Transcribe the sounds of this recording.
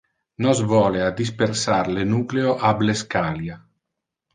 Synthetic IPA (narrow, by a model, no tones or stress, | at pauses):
nɔzvɔːlead̪ispersaɾlenuːkleoʔableskaːlja